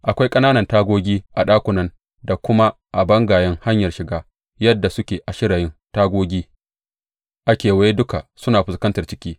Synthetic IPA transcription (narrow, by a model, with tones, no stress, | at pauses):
ʔa˨kʷa˦jkʼɐ˦naː˦nɐ˨ntaː˦ɡʷoː˦ɡʲiː˦ʔa˨ɗaː˦kʷʊ˨nɐ˦n | da˨kʷʊ˦ma˦ | ʔa˨bɐ˦ŋɡaː˨jɐ˦ŋha˦ɲjɐ˨rʃɪ˨ɡaː˦ | jɐ˦dːa˨sʊ˦kʲeː˨ʔa˨ʃɪ˦ɽaː˨jɪ˦ntaː˦ɡʷoː˦ɡʲiː˦ | ʔa˦kʲeː˨wɐ˦je˦dʊ˦ka˨sʊ˦naː˨ɸɪ˨skɐ˦ntɐ˨rt͡ʃɪ˦kʲiː˦